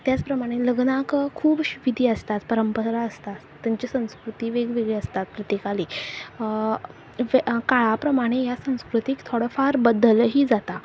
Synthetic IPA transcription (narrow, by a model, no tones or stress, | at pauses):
t̪jat͡spɾəmaɽ̃eləɡnakkʰuːbɕuʋid̪ʱiːəst̪at̪pəɾəmpəɾaəst̪a | t̪ːjaɲt͡ɕesə̃w̃skɾut̪iːʋeɡʋeɡɭeəst̪at̪̚pɾət̪ikaliː | ʋekaɭapɾəmaɽ̃ejasə̃w̃skɾut̪ikt̪ʰoɽəfaɾbəd̪əlɦiːd͡zat̪a